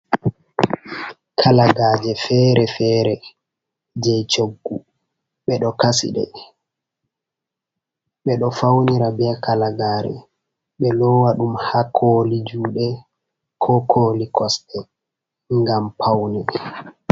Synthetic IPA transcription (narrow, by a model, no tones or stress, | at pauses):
kʰalaɡaːd͡ʒɛfɛːɾɛfɛːɾɛ | d͡ʒɛt͡ʃoɡːu | ɓɛɗɔkasḭɗɛ̰ | ɓɛɗɔfawniɾabɛkalaɡaːɾɛ̰ | ɓɛlɔwaɗumhakʰoːlid͡ʒuːɗɛ | kʰɔkʰoːlikʰɔstɛ | ŋɡampʰawnɛ